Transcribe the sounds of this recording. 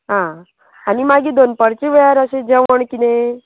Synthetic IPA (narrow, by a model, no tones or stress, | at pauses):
ɦã | animaɡid̪onpəɾt͡ɕeʋəjaɾəsed͡ʑeʋəɳkine